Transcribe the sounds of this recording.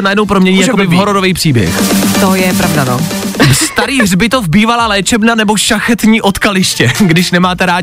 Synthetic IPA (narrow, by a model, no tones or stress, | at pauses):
najɛdnowpɾo̞mɲɛɲiːjakobɪvɦoɾodovejpr̥iːbjɛ̰xt̪ojɛpɾavdanovst̪aɾiːɦrbɪt̪o̞vbiːvalaːlɛːt͡ʃɛbnanɛboʃaxɛt̪ɲiːʔo̞t̪kalɪʃcɛɡdɪʃnɛmaːt̪ɛɾaː